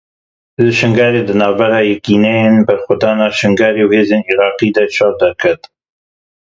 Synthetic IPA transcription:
lɨʃɪŋɡɑːɾeːd̪ɨnɑːvbɛɾɑːjɛkiːnɛjeːnbɛɾxʊd̪ɑːnɑːʃɨŋɡɑːɾeːwheːzeːniɾɑːqiːd̪ɐʃɑɾd̪æɾkʰɐt̪

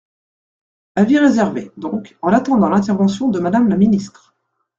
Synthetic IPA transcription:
aviʁezɛʁved̪ɔ̃kɑ̃nat̪ɑ̃d̪ɑ̃lɛ̃t̪ɛʁvɑ̃sjɔ̃d̪əmad̪amlaminist̪χ

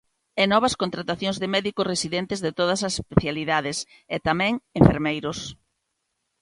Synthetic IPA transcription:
ɛnɔβ̞ɐskõnt̪ɾat̪aθjõŋzðɪmɛðikʊsresiðɛnt̪ɪzðet̪oð̞ɐsɐsespeθjaliðaðɪs | et̪amɛ̃ŋẽɱfeɾmejɾʊs

